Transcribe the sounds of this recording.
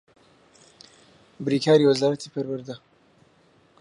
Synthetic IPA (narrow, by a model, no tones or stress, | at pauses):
bɨɾiːkʰaːɾiwəzaːɾɐt̪ʰipʰəɾwɨɾd̪ɐ